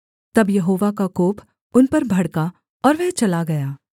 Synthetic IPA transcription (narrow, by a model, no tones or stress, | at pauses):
t̪ɐbjɐɦoːʋakakoːp | ʊnpɐɾbʱɐɽka | ɔːɾʋɛɦt͡ʃɐlaɡɐjaː